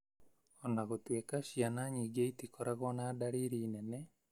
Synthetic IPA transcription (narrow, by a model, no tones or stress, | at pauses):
ɔnaɣot̪wekaʃjanaɲiɡeit̪ikɔɾaɣɔnadaɾiɾinɛnɛ